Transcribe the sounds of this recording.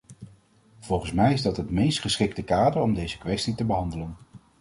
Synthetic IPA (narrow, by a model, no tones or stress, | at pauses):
v̥ɔlˠχən̩smɛjɪzdɑtɦətmejstχəsχɪktəkaːdəɹɔmdejzəkʋɛstitəbəɦɑndələn